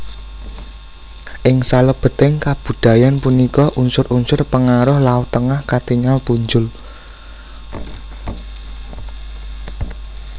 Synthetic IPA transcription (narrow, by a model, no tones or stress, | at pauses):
ʔɪŋsaləb̥ə̤t̪ɛŋkab̥ṳd̪̥a̤janpunikɔʔunsʊɾunsʊrpəŋaɾʊhlaut̪əŋahkat̪iŋalpuɲd͡ʒʊl